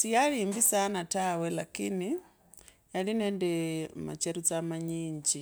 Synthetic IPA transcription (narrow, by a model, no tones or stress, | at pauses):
sijalimbisanatawelakini | jalinendɛma̰t͡ʃeɾut͡samaɲiːɲd͡ʒi